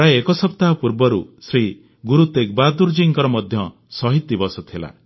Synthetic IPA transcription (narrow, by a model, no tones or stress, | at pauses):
aeekɔsɔpt̪aɦɔpuɾbɔɾusɾi | ɡuɾut̪ekbad̪uɾd͡ʒiŋkɔɾɔmɔd̪ʱjɔ | sɔɦit̪ːibɔsɔt̪ʰila̰